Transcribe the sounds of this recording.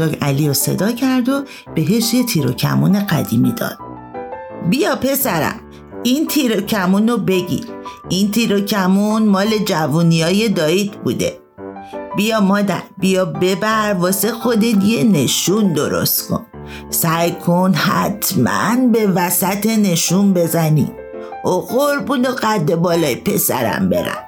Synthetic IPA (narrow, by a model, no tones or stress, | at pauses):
ɒːɡæliːose̞̰d̪ɒːcʰæɾd̪o | b̥e̞ɦeʃjet̪ʰiːɾo̰cʰæ̰muːne̞ɣæ̰d̪ḭːmid̪ɒ̰ːd̪̥ | bijɒːpʰe̞sæɾæ̰m | int̪ʰiɾocʰæmunobe̞ɟḭɾint̪ʰiɾocʰæmunmɒːle̞d͡ʒævunijɒːje̞d̪ɒːid̪bṵːd̪e̞̰ | b̥ijɒːmɒːd̪æ̰ɾbijɒːbe̞bæɾvɒːse̞xo̞d̪et̪jene̞ʃund̪o̞ɾo̞̰st̪kʰo̞̰n | sæjkʰonhæ̰t̪ʰmæ̰nbe̞væsæt̪ʰe̞ne̞ʃunbe̞zænḭ | oɣoɾbunoɢæd̪ːe̞bɒːlɒːjepʰe̞sæ̰ɾæ̰mbe̞̰ɾæ̰m